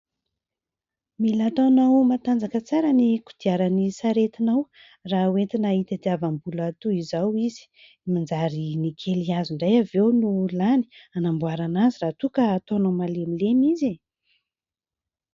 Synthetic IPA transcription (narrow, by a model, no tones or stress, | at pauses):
milat̪anawmat̪and͡zakət͡saɾəniku̥d̪̥iaɾanisaɾet̪inaw | rauwet̪inait̪ad̪iavambulat̪uizawizi̥ | mind͡zaɾinikʰeliaziɳɖ͡ʐajavewnulani̥anambuaɾanaziraːt̪ukəːt̪onawmalemilemize